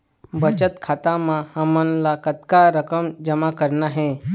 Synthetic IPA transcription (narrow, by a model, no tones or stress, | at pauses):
bət͡ʃət̪kʰat̪amãhamənlakət̪kaɾəkəmd͡ʒəmakəɾnaɦẽ